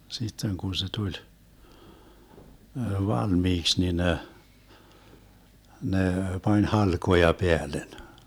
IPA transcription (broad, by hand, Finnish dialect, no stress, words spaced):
sitːeŋ kun̞ se tulʲ ʋɑlmiːks ni ne ne pɑnʲ hɑlkojɑ peælen